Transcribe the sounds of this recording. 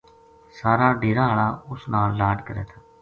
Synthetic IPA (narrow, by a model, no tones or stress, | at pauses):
saːɾaːɖeːɾãːɦəɭaːʊsnaːlːaːɖkəɾɛ̰ːt̪ʰaː